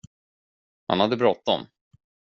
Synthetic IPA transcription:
ha̰nhad̪ːəbɾɔt̪ːɔ̰m

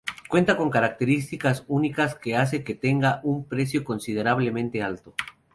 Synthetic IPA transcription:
kwe̞nt̪ako̞ŋkaɾak̚t̪e̞ɾist̪ikasunikaske̞as̬e̞ket̪e̞ŋɡaʔumpɾe̞s̬jo̞ko̞nsið̞e̞ɾaβle̞mẽ̞nt̪e̞alt̪o̞

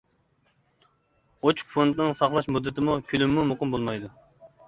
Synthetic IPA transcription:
ot͡ʃʰu̥kfont̪nɨŋsɑχlˠɑʃmud̪ːɪt̪ɪmukʲʰylymːumʊqɨmbolˠmɑjd̪u

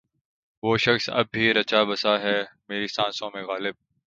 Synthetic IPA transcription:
ʋoːʃɐxsɐ̰b̚ːiɾɐt͡ʃabɐsaɦɛːmeːɾisãːnsõmẽɣaːlɪb̚

